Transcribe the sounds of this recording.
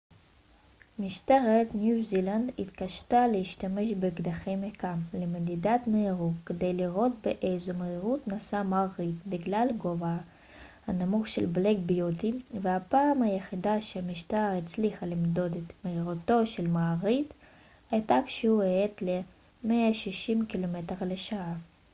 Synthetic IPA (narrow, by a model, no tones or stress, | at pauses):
miʃt̪aʁet̪njuziland̪ḭt̪kaʃt̪aleiʃt̪ameʃbeɡd̪aχejmekamlemed̪id̪at̪meiʁutked̪ejliʁo̞t̪̚beʔejzomeiʁut̪nasamaʁit̪biɡlalɡova | hanamuχʃḛlblekbijut̪ivehapaːmhajeχid̪aʃeamiʃt̪aʁit͡sliχalimd̪o̞d̪et̪meiʁut̪o̞ʃelmaːʁit̪ | ajt̪akʃehueet̪le | meaʃiʃimkilomet̪eʁleʃaa